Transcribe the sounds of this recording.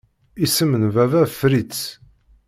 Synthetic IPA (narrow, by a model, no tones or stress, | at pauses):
isəmənvævæfɾit͡s